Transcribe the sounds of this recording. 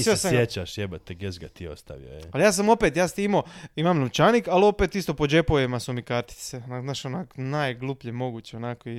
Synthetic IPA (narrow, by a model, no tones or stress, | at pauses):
iseesaɡjet͡ʃaʃjebat̪eɡezɡa̰t̪io̰st̪a̰ʋḭoealjaːs̬amo̞pet̪jaːst̪iimoimamnoʋt͡ʃanikalo̞pet̪ist̪o̞pod͡ʑepojemasumikaɾt̪i̥t̪senanaʃonakonajɡlˠupʎemo̞ɡuːt͡ɕeonakoi